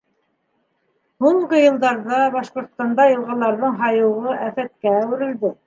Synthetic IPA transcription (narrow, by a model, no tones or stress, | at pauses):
huɴʁɤjɤ̆lˠd̪ɑɾðɑbɑʃqŏɾt̪st̪ɑnd̪ɑjɤ̆lˠʁɑlˠɑɾðɤɴɦɑjɤ̆wʁɤæfæt̪̚kæːwɘ̆ɾɘ̆ld̪ɘ